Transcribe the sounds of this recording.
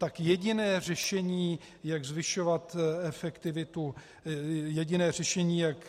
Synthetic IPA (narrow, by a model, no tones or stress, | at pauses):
t̪akjɛɟɪnɛːr̝ɛʃɛɲiː | jaɡzvɪʃovat̪ɛfɛkt̪ɪvɪt̪u | jɛɟɪnɛːr̝ɛʃɛɲiːjak